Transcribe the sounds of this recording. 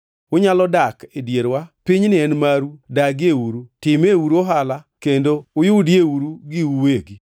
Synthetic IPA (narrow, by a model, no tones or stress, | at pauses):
ʊɲalɔdakedjeɾwapɪɲnɪɛnmaɾudaɡeuɾutɪmeuɾoɦalakendoʊjʊdjeuɾuɡɪuweɡi